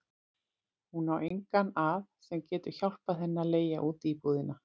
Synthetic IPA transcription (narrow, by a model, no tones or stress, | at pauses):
hunawʔejŋkanaðsɛmcɛːt̪ʏɾ̥çawl̥paðɦɛnːaleːjaʔuːt̪ipuːðɪna